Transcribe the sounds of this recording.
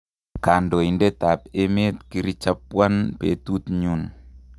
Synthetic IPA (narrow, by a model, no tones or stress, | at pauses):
kandoindet̪ap̚emet̪̚kiɾit͡ʃapːuanpet̪ut̪ɲun